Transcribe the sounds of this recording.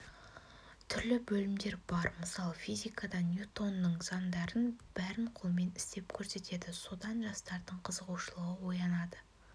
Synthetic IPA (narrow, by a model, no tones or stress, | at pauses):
t̪ʰʏɾlɪbɵlɪmd̪e̞ɾbɑɾməsɑlˠəfijzʲijkʰɑd̪ɑnʲjut̪o̞nːəɴz̥ɑnd̪ɑɾənb̥æɾɪnqʰʊlˠme̞nɪ̥st̪e̞pkʲʰɵɾse̞t̪e̞d̪ɪso̞d̪ɑnʒɑst̪ɑɾd̪əɴqʰəzəʁuʃəlˠəʁəwo̞jɑnɑd̪ə